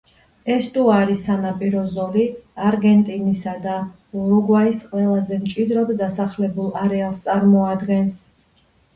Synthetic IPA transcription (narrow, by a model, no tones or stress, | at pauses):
ɛst̪ʼuaɾisanapʼiɾɔzɔliaɾɡɛnt̪ʼinisad̪a | uɾuɡwaisqʼwɛlˠazɛmt͡ʃʼid̪ɾɔdd̪asaχlɛbulˠaɾɛalˠst̪sʼaɾmɔad̪ɡɛns